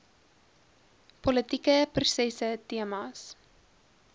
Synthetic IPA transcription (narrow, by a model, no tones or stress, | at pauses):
pɔlətikəprusɛsətiəmɑs